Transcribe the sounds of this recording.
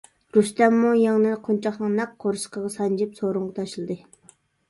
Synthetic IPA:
ɾust̪ɛmːujɑŋnɨnqʰont͡ʃʰɑχnɨŋnɛk̚ʰːoɾʃə̥qəʁɑsɑnd͡ʒɪpsoɾuɴʁɑt̪ʰɑʃlˠɨd̪ɨ

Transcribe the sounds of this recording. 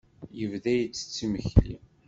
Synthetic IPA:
jəvðæjət͡sːə̥t͡sːiməçlḭ

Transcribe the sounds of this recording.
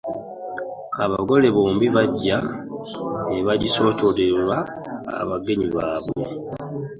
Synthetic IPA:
aβaɡo̞le̞βoːmbiβaɟːa | neβaɟiso̞ːto̞lelwa | a̰βaɡe̞ɲiβaːβwo̰

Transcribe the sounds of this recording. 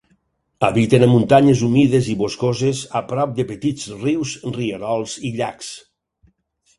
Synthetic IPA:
aβit̪enamunt̪aɲezumiðeziβoskozezapɾɔp̚d̪epet̪izriwzrieɾɔlˠziʎaks

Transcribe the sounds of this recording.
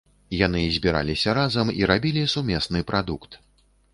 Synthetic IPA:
janɨzʲbʲiɾa̰lʲisʲɐɾazɐmiɾabʲilʲisumʲɛsnɨpɾad̪ukt̪

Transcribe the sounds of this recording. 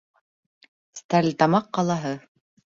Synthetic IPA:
st̪æɾlʲt̪ɑmɑqːɑlˠɑɦɤ

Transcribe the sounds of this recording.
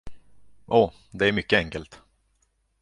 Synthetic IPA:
ʔɔː | d̪ɛæɾmʏkːəɛŋkəlt̪

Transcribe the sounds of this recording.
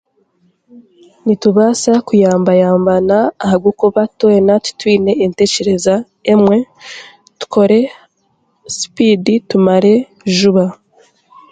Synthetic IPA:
nituβasakujaːmbajaːmbanaːhaɡukuβatwenatu̥twiːne̞ːnte̞ce̞ɾe̞za | emwe̞ | tu̥kʰo̞ɾe̞ | si̥piditumaɾe̞ | ʒuβa

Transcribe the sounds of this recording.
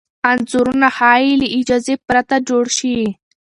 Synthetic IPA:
anzuɾunahɑːiliʔid͡ʒazepɾat̪ad͡ʒoɽʃi

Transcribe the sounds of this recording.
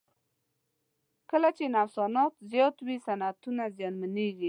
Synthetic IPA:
kəlat͡ʃenafsɑnɑt̪zjɑt̪wisanat̪unazjɑnmaneɡi

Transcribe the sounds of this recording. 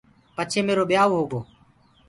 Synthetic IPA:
pət͡ʃʰeːmeːɾoːɓjaːʋoːɦoːɡoː

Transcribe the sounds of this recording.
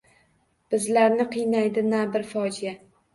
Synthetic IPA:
b̥ɪzlaɾnɪqʰɨjnajd̪ɪnabɪɾfɒd͡ʒija

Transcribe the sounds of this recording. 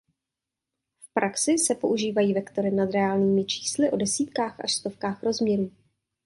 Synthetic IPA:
fpɾʔaksɪsɛpo̞ʔuʒiːvajiːvɛkt̪o̞ɾɪnad̪ɾɛaːlɲiːmɪt͡ʃʰi̥ːslɪʔo̞dɛsiːt̪kaːxʔa̰ʃst̪o̞fkaːxɾo̞zmɲɛɾuː

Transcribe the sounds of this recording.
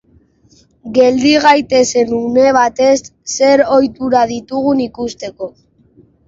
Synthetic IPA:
ɡe̞ld̪iɣajt̪e̞se̞nune̞β̞at̪e̞sːe̞ɾo̞jt̪uɾaðit̪uɣunikust̪e̞ko̞

